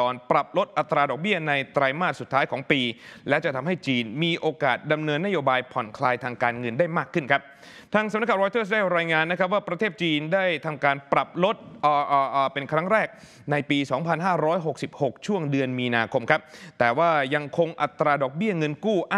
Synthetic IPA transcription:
ɔː˧npɾa˨˩p̚lo˦˥t̪̚ʔa˨˩t̪ːɾaː˧dɔː˨˩k̚bi˥˩ɐna˧jt̪ɾaː˧jmaː˥˩t̪̚su˨˩t̪ʰːaː˦˥jkʰɔː˩˦ŋpiː˧lɛ˦˥wt͡ɕa˨˩t̪ʰa˧mɦa˥˩jt͡ɕiː˧nmiː˧ʔoː˧kaː˨˩t̪̚da˧mnɤː˧nːa˦˥joː˧baː˧jpʰɔ˨˩nkʰlaː˧jt̪ʰaː˧ŋkaː˧nŋɤ˧ndaː˥˩jmaː˥˩kʰːɯ˥˩nkʰa˦˥p̚ | t̪ʰaː˧ŋsa˨˩˦n˦˥kʰːa˨˩ɾɔː˧jt̪ɤː˥˩s̬daː˥˩jɾaː˧jŋaː˧nːa˦˥kʰa˦˥p̚waː˥˩pɾa˧t̪ʰeː˥˩t̪̚t͡ɕiː˧ndaː˥˩jt̪ʰa˧mkaː˧npɾa˨˩p̚lo˦˥t̪̚ʔʔːʔːpe˧nkʰɾa˦˥ŋɾɛː˥˩k̚ | na˧jpiː˧sɔː˩˦ŋpʰa˧nɦaː˥˩ɾɔː˦˥jɦo˨˩k̚si˨˩p̚ho˨˩k̚t͡ɕʰu˥˩əŋdɯ˧ənmiː˧naː˧kʰo˧mkʰa˦˥p̚t̪ɛː˨˩waː˥˩ja˧ŋkʰo˧ŋʔa˨˩t̪ːɾaː˧dɔː˨˩k̚bi˥˩əŋɤ˧nkuː˥˩ʔa˥

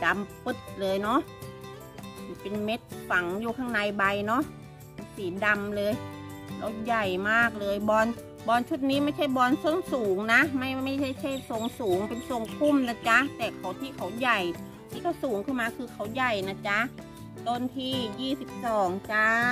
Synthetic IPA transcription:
da˧mpɯ˧˥˩t̪̚lɤː˧jnɔ˦˥ʔ | si˧˩˦pe˧nme˦˥t̪̚fa˨˩˦ŋjuː˧˩kʰaː˧˥˩ŋna˧jba˧jnɔ˦˥ʔ | siː˨˦da˧mlɤː˧j | la̰˧˩wja˨˩jmaː˥˩k̚lɤː˧jbɔː˧n | bɔː˧nt͡ɕʰu˦˥t̪̚niː˦˥ma˥˩jt͡ɕʰa˥˩jbɔː˧nsɯ˥˩əŋsuː˨˩˦ŋna˦˥ma˥˩jma˥˩jt͡ɕʰa˥˩jt͡ɕʰa˥˩jso˨˦ŋsuː˨˩˦ŋpe˧nso˨˩˦ŋkʰu˧˥˩mna˧˩t͡ɕa˧˦˥t̪ɛː˨˩kʰa˨˩˦wt̪ʰiː˧˩kʰa˨˩˦wja˨˩j | t̪ʰiː˧˩kʰa˧˩wsuː˨˦ŋkʰɯ˥˩nmaː˧kʰɯː˧kʰa˨˦wja˨˩jna˧˥t͡ɕa˦˥ | t̪o˧nt̪ʰiː˧˩jiː˥˩si˨˦p̚sɔː˨˩˦ŋt͡ɕa˧˥

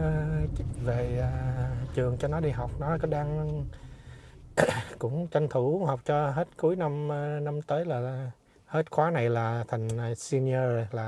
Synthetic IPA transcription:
ve˨˩ə˨˩t͡ɕɨ˨˩əŋt͡ɕɔ˧nɔ˨˦ɗi˧ɦa˨˩wk͡p̚nɔ˨˦kɔ˨˦ɗaː˧ŋ | kʊ̰˧˥ŋ͡mt͡ɕa˧jŋ̟t̪ʰu˧˩˧ha˨˩wk͡p̚t͡ɕɔ˧ɦe˦˥t̚ku˨˦jna˧m˧na˧mt̪əː˨˦jlaː˨˩ | he˦˥t̚xwaː˨˦na˨˩jlaː˨˩t̪ʰa˨˩jŋ̟˨˩si˧ni˧əː˧zo˨˩jlaː˨˩

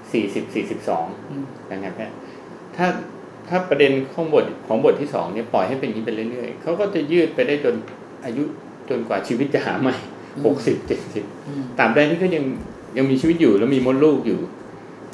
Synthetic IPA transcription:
siː˨˩si˨˩p̚siː˨˩si˨˩p̚sɔ̰ː˩˦ŋ | na˨˩ŋːa˧˥na˥˩ | t̪ʰaː˥˩ | t̪ʰaː˥˩pɾa˧de˧nkʰɔ˩˦ŋbo˨˩t̪̚kʰɔː˩˦ŋbo˨˩t̪ʰːiː˥˩sɔ̰ː˩˦ŋni˦˥˩ɐpɔ˨˩jha˥˩jpe˧niː˦˥pe˧lɯ˥˩ɾɯ˥˩əjkʰa˦˥wkɔː˥˩t͡ɕa˨˩jɯː˥˩t̪̚pa˧jdaː˥˩jt͡ɕo˧n | ʔaː˧ju˦˥ | t͡ɕo˧nkwaː˨˩t͡ɕʰiː˧wi˦˥t̪̚t͡ɕa˨˩ɦa̰ː˩˦ma˦˥˩j | ho˨˩k̚si˨˩p̚t͡ɕe˨˩t̪̚si˨˩p̚t̪aː˨˩mp̚dɛː˧jt̪ʰiː˥˩kʰa˥˩ja˧ŋ | ja˧ŋmiː˧t͡ɕʰiː˧wi˦˥t̪̚juː˨˩lɛ˦˥wmiː˧mo˦˥t̪̚luː˥˩k̚juː˨˩

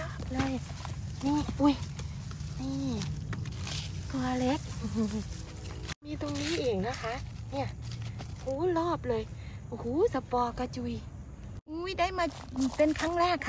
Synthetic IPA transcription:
lɔː˥˩p̚lɤː˧˨j | niː˧˥˨ʔu˧˥j | niː˧˩ | kɔː˧˩le˦˥k̚ː | miː˧t̪o˧ŋniː˦˥˨ʔiː˨˩ŋna˧˩kʰa˧˥ʔni˧˥˩ɐ˨huː˨˦lɔː˥˩p̚lɤː˧˨j | huː˨˦sa˧pɔː˧˩ka˧˩t͡ɕu˧˩˨j | ʔu˧˥˨jda˥˩jmaː˧ | pe˧˨nkʰa˧˥˨ŋlɛː˥˩kʰː

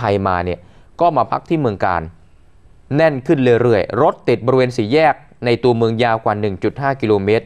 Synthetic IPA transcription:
a˧jma̰ː˧ni˥˩ə | kɔː˥˩maː˧pʰa̰˦˥k̚t̪ʰiː˥˩mɯ˧əŋka̰ː˧n | nɛ˥˩nkʰɯ˥˩nlɤː˧ɾɯ˥˩əjɾo˦˥t̪̚ːi˨˩t̪̚bɔː˧ɾi˧weː˧nsiː˩˦jɛː˥˩k̚ | na˧jt̪u˧ɐmɯ˧əŋjaː˧wkwaː˨˩nɯ˨˩ŋt͡ɕu˨˩t̪̚ɦaː˥˩ki˧loː˧meː˦˥t̪̚

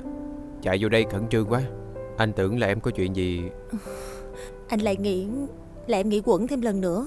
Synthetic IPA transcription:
t͡ɕa̰˧˨jzo˧ɗə˧jkə˧˩nt͡ɕɨ˧əŋkwaː˨˦ʔa˧jŋ̟t̪ɨ˧˩˦əŋlaː˨˩ʔɛ˧mkɔ˨˦t͡ɕwḭ˧˨ənzi˨˩ | ʔ | ʔa˧jŋ̟la̰ː˧˨jŋḭ˧˥ | laː˨˩ʔɛ˧mŋḭ˧˥kwə̰˧˥nt̪ʰɛ˧mlə˨˩nːɨ̰˧˥ə

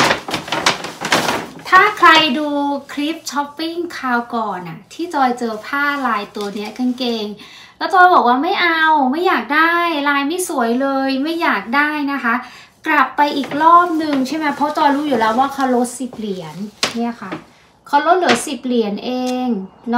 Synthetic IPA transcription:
t̪ʰaː˥˩kʰɾa˧jduː˧kʰli˦˥p̚t͡ɕʰɔ˦˥pːi˥˩ŋkʰaː˧wkɔː˨˩nʔa˨˩t̪ʰiː˥˩t͡ɕɔː˧jt͡ɕɤː˧pʰaː˥˩laː˧jt̪u˧ɐni˦˥ɐka˧nkeː˧ŋ | lɛː˦˥wt̪ɔː˧jbɔː˨˩k̚waː˥˩ma˥˩jʔa˧wma˥˩jːaː˨˩k̚daː˥˩jlaː˧jma˥˩jsu˨˩˦jlɤː˧jma˥˩jːaː˨˩k̚daː˥˩jna˦˥kʰa˦˥ | kla˨˩pːa˧jʔiː˨˩k̚lɔː˥˩p̚nɯ˨˩ŋt͡ɕʰa˥˩ma˦˥jpʰɾɔ˦˥t͡ɕɔː˧jɾuː˦˥juː˨˩lɛː˦˥waː˥˩kʰa˦˥wlo˦˥t̪̚si˨˩p̚li˨˩˦ənːi˥˩ɐkʰa˥˩ | kʰa˦˥wlo˦˥t̪̚lɯ˨˩˦jsi˨˩p̚li˨˩˦ə˦nʔeː˧ŋn˦

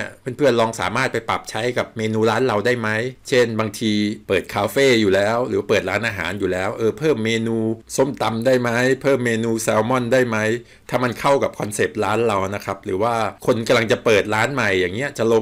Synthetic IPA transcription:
ɐpʰɯ˧˥˩npʰɯ˥˩ənlɔː˧ŋsa̰ː˩˦maː˥˩t̪̚pa˧jpa̰˨˩p̚t͡ɕʰa˦˥jka˨˩p̚meː˧nuː˧ɾaː˦˥nla˧wdaː˥˩jma˦˥jt͡ɕʰe˥˩nbaː˧ŋt̪ʰiː˧pɤː˨˩t̪̚kʰaː˧feː˥˩juː˨˩lɛː˦˥wɾɯː˩˦waː˥˩pɤː˨˩t̪̚ɾaː˦˥nʔaː˧ɦa̰ː˩˦njuː˨˩lɛː˦˥wʔɤː˧pʰɤː˥˩mːeː˧nuː˧so˥˩mt̪a˧mdaː˥˩jma˦˥jpʰɤː˥˩mːeː˧nuː˧sɛː˧wmɔ˥˩ndaː˥˩jma˦˥j | t̪ʰaː˥˩ma˧nkʰa˥˩wka˨˩p̚kʰɔ˧nse˨˩p̚t̪̚ɾaː˦˥nla˧wna˦˥kʰa˦˥p̚ɾɯː˩˦waː˥˩kʰo˧nka˧mla˧ŋt͡ɕa˨˩pɤː˨˩t̪̚ɾaː˦˥nma˨˩jːaː˨˩ŋːi˦˥ɐt͡ɕa˨˩lo˧

